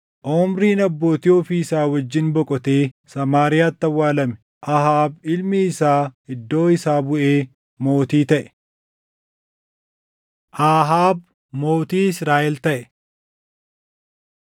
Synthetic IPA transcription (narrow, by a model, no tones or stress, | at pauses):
ʔoːmɾiːnɐbːo̞ːt̪ɪoːfɪːsaːwɐd͡ʒːɪnbɔkʼɔt̪eːsɐmaːɾɪjaːt̪ːɐwːaːlɐmɛ̥ | ʔɐɦaːbɪlmiːsaːɪd̪ːo̞ːɪsaːbʊʔeː | mo̞ːt̪iːt̪ɐʔɛ̥ | ʔaːɦaːb | mo̞ːt̪iːɪsɾaːʔɛlt̪ɐʔɛ